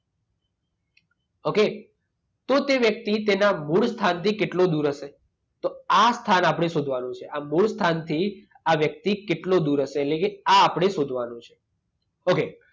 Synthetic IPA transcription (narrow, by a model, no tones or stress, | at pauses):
oke | t̪ot̪eʋjək̚t̪it̪enamuɭst̪ʰant̪ikeʈlod̪uɾəʃe | t̪oast̪ʰanapɽ̃esod̪ʱʋanõt͡ʃʰeʔamuɭst̪ʰant̪ʰi | aʋjək̚t̪ikeʈlod̪uɾəʃeːllekeaːpɽ̃esod̪ʱʋanõt͡ʃʰe̥ | oke